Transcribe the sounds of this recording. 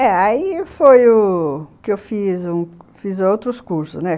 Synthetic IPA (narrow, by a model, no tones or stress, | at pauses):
ɛaifojʊkɪewfizũfizowt̪ɾʊskuɾsʊsnɛ